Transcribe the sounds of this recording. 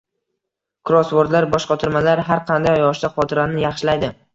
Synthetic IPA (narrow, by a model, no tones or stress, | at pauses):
kʰʊɾɒsboɾd̪laɾbɒʃqɑt̪ʰʊɾmalaɾɦaɾqʰɑnd̪ajjɒʃd̪aχɒt̪ʰɪɾanɪjɑχʃɪlajd̪ɪ